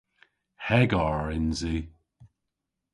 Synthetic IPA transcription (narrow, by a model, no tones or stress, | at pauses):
hɛɡɔɹɪnzi